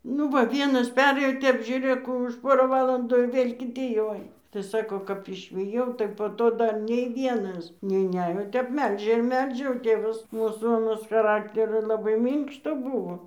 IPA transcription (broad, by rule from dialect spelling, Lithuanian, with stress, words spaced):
ˈnʊ ˈʋɐ ˈʋʲiɛnɐs ˈpʲæːrʲeːjoː ˈtʲɛp ʒʲuːˈrʲeːk ˈkuː ʊʃ poːrɐ ˈʋɑːlˠɐnduː ɪr ˈʋʲeːlʲ kʲɪˈtʲɪ jɛʊ ˈɐɪnɐ tɐɪ ˈsɑːkoː kɐp ɪʃʲʋʲɪˈjɛʊ tɐɪ poː ˈtoː ˈdɐr nʲɛɪ ˈʋʲiɛnɐs nʲɛɪˈnʲæːjoː oː ˈtʲɛp ˈmʲɛlʲʒʲɛ ɪr ˈmʲɛlʲʒʲɛ oː ˈtʲeːʋɐs ˈmuːsuː ɐˈnɐs xɐˈrɑːktʲɛrʲoː ˈlˠɑːbɐɪ ˈmʲiːŋkʃtoː ˈbʊʋoː